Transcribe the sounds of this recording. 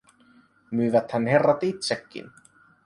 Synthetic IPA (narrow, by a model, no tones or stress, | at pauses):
mʏːvat̪hanːhɛrːat̪it̪sɛkːḭn